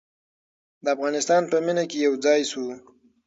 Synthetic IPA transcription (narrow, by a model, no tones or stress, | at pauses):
d̪əafɣɑnɪst̪ɑnpəminakejawd͡zɑjsu